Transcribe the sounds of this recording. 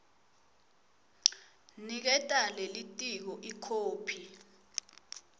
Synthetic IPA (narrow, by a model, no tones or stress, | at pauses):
nik̬ɛtʼalelitʼik̬ɔʔikʰoːpʰi